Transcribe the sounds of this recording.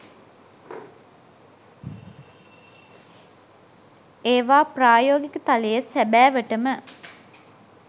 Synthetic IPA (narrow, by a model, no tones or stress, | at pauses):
eːʋaːpraːjoːɡikət̪aləjəsæbæːʋəʈəmə